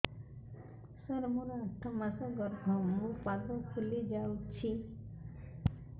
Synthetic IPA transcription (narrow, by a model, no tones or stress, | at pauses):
sɔɾmɔɾɔatʰːamasɔɡɔɾbʱɔmũpaɡɔkʰulid͡ʒawt͡ʃʰi